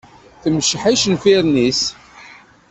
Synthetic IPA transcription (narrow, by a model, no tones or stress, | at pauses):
θəmʃħiʃnfiɾnis